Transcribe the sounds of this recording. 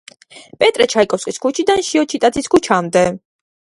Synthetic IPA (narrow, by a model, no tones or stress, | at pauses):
pʼɛt̪ʼɾɛt͡ʃʰaikʼɔsqʼiskʰut͡ʃʰid̪anʃiɔt͡ʃʰit̪ʼad̪sʰiskʰut͡ʃʰamd̪ɛ